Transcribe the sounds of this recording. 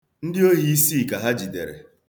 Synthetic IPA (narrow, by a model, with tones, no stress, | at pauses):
n̩˦dɪ˦o˦ɦi˦i˦si˦˨ka˨ɦa˦d͡ʒi˨de˨ɾḛ˨